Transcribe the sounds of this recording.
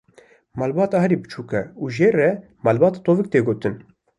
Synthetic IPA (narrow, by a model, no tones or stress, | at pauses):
mɑlbɑːt̪ɑhɛɾibɨt͡ʃʰuːkɛuːʒeːrɛ | mɑːlbɑːt̪ɑt̪oːvɨk̚t̪eːɡoːt̪ɨn